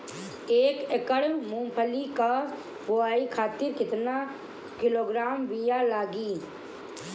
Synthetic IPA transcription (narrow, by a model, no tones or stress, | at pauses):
eːkekəɽmũːpʰəlika | bʊaːikʰaːt̪ɪɾkɪt̪na | kɪloːɡɾaːmʋijalaːɡiː